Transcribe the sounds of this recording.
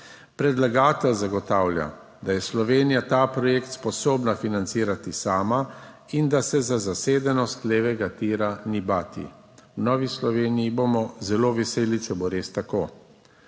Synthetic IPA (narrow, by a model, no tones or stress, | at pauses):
pɾɛd̪laɡaːt̪ɛlzaɡɔt̪aːwlja̰ | d̪ajɛslɔʋeːnijat̪aːpɾɔjeːkt̪spɔsoːbnafinant̪siːɾat̪isaːma | ind̪asɛzazaseːd̪ɛnɔst̪leːʋɛɡat̪iːɾanibaːt̪ḭ | wnɔːʋislɔʋeːnijibomɔzɛloʋɛseːlit͡ʃɛboɾeːst̪akoː